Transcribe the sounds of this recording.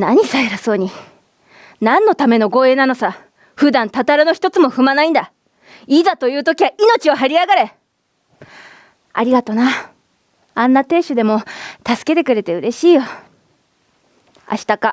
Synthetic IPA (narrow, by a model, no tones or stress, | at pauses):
naɲ̟isaeɾaso̞ːɲ̟i | nãnːo̞t̪ame̞no̞ɡo̞ːe̞ːnano̞sa | ɸɯ̟d̪ãnt̪at̪aɾɯ̟no̞çi̥t̪o̞t͡sɨmo̞ɸɯ̟manaĩnd̪a | iːzat̪o̞jɯ̟ːt̪o̞kʲiβaʔino̞t͡ɕio̞ɦaɾʲiaɡaɾe̞ | a̰ɾʲiɡat̪o̞na | ãnːat̪e̞ːɕɨd̪e̞mo̞t̪asɨ̥ke̞t̪e̞kɯ̟ɾe̞t̪e̞ɯ̟ɾe̞ɕiːjo̞ | a̰ɕi̥t̪aka